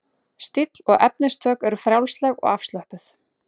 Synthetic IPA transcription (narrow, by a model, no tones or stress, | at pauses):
st̪ɪt̪lɔɣɛp̚nɪst̪ʰœːkɛɾʏfɾjawlslɛɣɔ̰ɣafst̪lœhpʏθ